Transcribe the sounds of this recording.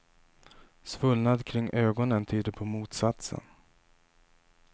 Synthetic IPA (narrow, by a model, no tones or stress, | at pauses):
svɵlnad̪kʰɾɪŋːʔøːɡɔnənt̪ʰyːd̪əɾpʰɔmuːt̪sat̪sə̰n